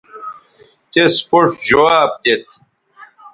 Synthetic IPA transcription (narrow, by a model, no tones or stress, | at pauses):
t̪espoʈd͡ʑowaːb̚d̪et̪